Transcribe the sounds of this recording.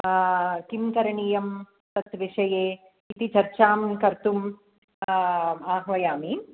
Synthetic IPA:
kimkɐɾɐɳiːjɐm | t̪ɐt̪ʋiʂɐjeː | it̪it͡ʃɐɾt͡ʃaːmkɐɾt̪um | aːɦʋɐjaːmi

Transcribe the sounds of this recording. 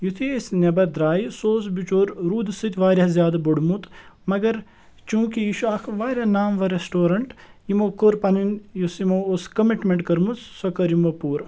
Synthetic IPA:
jut̪ʰiesnʲɐbɐd̪ɾaːjisoːsbit͡ʃoːɾɾuːd̪sɨt̪ʰʲʋaːɾʲazjaːd̪ɐboɽmut̪mɐɡɐɾ | t͡ʃũːkijiʃuaːkʰʋaːɾʲanaːmʋɐɾesʈoːɾɐɳʈimoːkoɾpɐninjusimooskɐmiʈmeɳʈkɐɾmut̪sɐkɐɾimʋɐpuːɾ

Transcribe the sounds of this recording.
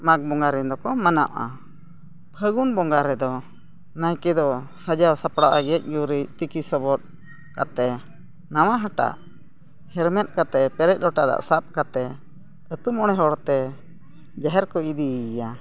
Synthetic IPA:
mak̚bɔŋɡaɾɛnd̪ɔkɔmanaʔʔa̰ | pʰəɡunbɔŋɡaɾɛd̪ɔ | najkɛd̪ɔ | sad͡ʒawsapɽaʔaɡɛc̚ˀjuɾic̚t̪ikisɔbɔt̪̚ | kat̪ɛ | nawaɦaʈa̰ʔ | hɛɾmɛt̪̚ˀkat̪ɛpɛɾɛc̚ˀlɔʈad̪a̰ʔsap̚kat̪ɛ | ət̪umɔɽ̃ɛɦɔɽt̪ɛ | d͡ʒaɦɛɾkɔid̪ija

